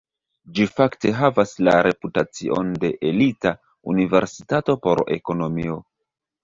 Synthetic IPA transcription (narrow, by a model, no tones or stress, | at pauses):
d͡ʒifakte̞ɦavasla̰ɾe̞putat͡sḭʔo̞̰nde̞ʔelita | unive̞ɾsitato̞po̞ɾe̞̰ko̞no̞mio̞